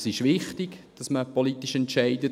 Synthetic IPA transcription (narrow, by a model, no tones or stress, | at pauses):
sɪʃʋɪχtɪɡd̥ɑsməpolit̪ːiʃɛntt͡ʃæɪdə